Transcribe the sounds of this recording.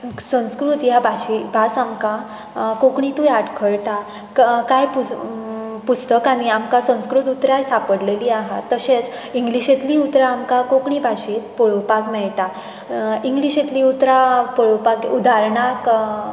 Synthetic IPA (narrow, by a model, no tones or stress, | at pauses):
sə̃w̃skɾut̪jabʱaɕibʱasamka | kokɳit̪ũjaʈkʰəɭʈa | kajpu | put͡st̪əkaɽ̃iamkasə̃w̃skɾut̪ut̪ɾjajsapəɽleliːaɦa̰t̪ːəɕet͡s | iŋɡliɕet̪liːut̪ɾaːmkakokɳibʱaɕit̪pɔɭowpakmɛɭʈa | iŋɡliɕet̪liːut̪ɾapɔɭopakud̪aɾɳak